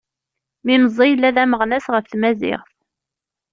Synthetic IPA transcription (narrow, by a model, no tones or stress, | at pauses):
miməzˤːijəlːæðæməʁnæsʁəfθmæzɪ̰ʁθ